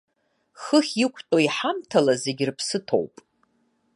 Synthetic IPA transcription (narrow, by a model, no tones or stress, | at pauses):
χəχʲɪkʷʰtʼoiħamtʰalaze̞ɡʲɪrpʰsɨtʰo̞̰wpʼ